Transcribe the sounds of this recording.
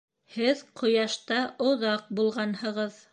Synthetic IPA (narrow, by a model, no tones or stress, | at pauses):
hɘðqʰŏjɑʃt̪ɑʔŏðɑq̚bulˠʁɑnhɤ̆ʁɤð